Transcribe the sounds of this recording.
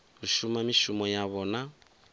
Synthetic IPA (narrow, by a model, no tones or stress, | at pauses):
uʃumamiʃumɔjaβɔːna